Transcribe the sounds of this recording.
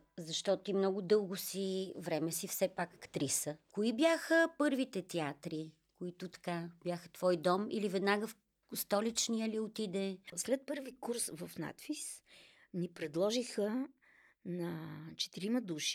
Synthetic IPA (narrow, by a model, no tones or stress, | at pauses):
zɐʃt̪ɔt̪oimnɔɡʊd̪ɤlˠɡʊsivɾɛmɛsifsɛpakɐkt̪ɾisəkʊibjaxəpɤɾvit̪ɛt̪ɛat̪ɾi | kʊit̪ʊt̪ɐ̥kab̥ʲjaxə̥t̪vɔjd̪ɔmḭlivɛd̪naɡəf | st̪ɔlit͡ʃnijəliot̪id̪ɛslɛt̪̚pɤɾvikuɾsvəfna̰t̪fis | nipɾɛd̪lˠɔʒixə | nɐt͡ʃɛ̥t̪iɾiməd̪uʃi̥